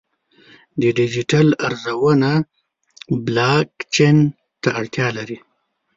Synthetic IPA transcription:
d̪əɖɪd͡ʒiʈalaɾzawəna | blɑkt͡ʃen | t̪aːɽt̪jɑlaɾi

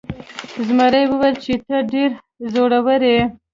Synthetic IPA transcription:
zmaɾajwəwelt͡ʃet̪əɖeɾ | zoɽawəɾe

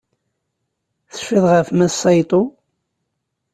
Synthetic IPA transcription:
θə̥ʃːɪðˤʁəfmæsˤɑjt̪ˤo

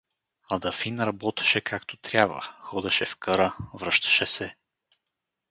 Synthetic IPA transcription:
ɐd̪ɐfinɾɐbɔt̪ɛ̥ʃɛkʰakt̪ot̪ɾʲjabvə̰xɔd̪ɛʃɛfkəɾəvɾɤʃt̪ɐ̥ʃɛsɛ

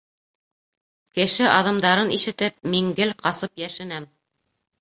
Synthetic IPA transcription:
kɘ̆ʃɘʔɑðɤ̆md̪ɑɾɤniʃɘ̆t̪ɘp̚miŋɡɘlqɑsɤpjæʃɘ̆næm

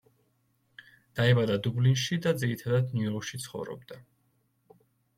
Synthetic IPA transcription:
d̪̥aɛbad̪ad̪ublinʃid̪ad̪ziɾit̪ʰad̪ad̪njuɔkʃit̪sʰχɔ̰vɾɔ̰b̚d̪a

